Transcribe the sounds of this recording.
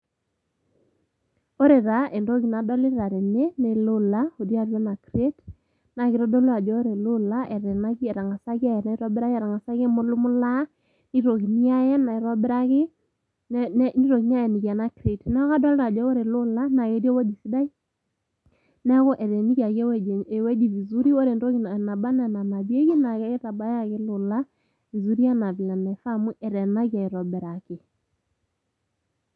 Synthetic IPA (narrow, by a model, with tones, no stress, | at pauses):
o˦ɾe˨ɾa˨˦e˨ndo˦ki˨na˨dɔ˦li˦ɾa˨ɾe˨ne˦ne˨lʊ˦la˦o˨dja˦˨ɾjɔ˦na˨kɾe˦t | na˨ki˨ɾɔ˦dɔ˦la˨d͡ʒɔ˦o˦ɾe˨lʊ˦la˦ʔe˨ɾe˨na˦kɛ˨ɾa˨ŋa˨sa˦kja˦˨jɛ˨na˨i˦ɾa˦bɪ˦ɾa˦ɣɛ˨ɾa˨ŋa˨sa˦ke˦mo˦lu˦mʊ˦la˦ | ni˦ɾo˨ki˨ni˦a˦jɛ˦na˨i˨ɾa˦bɪ˦ɾa˦ɣɪ˦ | n˦ni˦ɾo˨ki˨ni˦a˦jɛ˨ni˨ɣja˨na˦kɾi˨tnɛ˦ɣa˦dɔ˦lda˨d͡ʒɔ˨˦wɔ˦ɾe˨lʊ˦la˦na˨ɣe˨˦djɔ˦wɛ˦d͡ʒi˨si˦da˦i˦ | nɛ˦ɣɔ˦ʔɛ˨ɾɛ˨ni˦kja˨ɣjɛ˦wɛ˦d͡ʒe˨wɛ˦d͡ʒi˨vi˨zu˦ɾi˦wɔ˦ɾe˨ndo˦ɣi˨na˨na˨ba˦nɛ˨na˨na˨bje˦ɣi˦na˨ɣɛ˦e˦ta˨ba˦ja˦˨ɣɪ˦lʊ˨la˦ | vi˨zu˦ɾi˦a˦na˨vi˨la˨na˨fa˦mu˦ʔɛ˨ɾɛ˨na˦ɣja˨ɪ˨ɾɔ˨bɛ˨ɾa˨kɪ˨